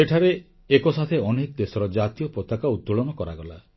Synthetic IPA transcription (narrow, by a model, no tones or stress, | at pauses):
eʈʰaɾe | ekɔsat̪ʰeɔnekɔd̪esɔɾɔd͡ʒat̪ijɔpɾɔt̪akaud̪̚ːuɭɔnɔkɔɾaɡɔla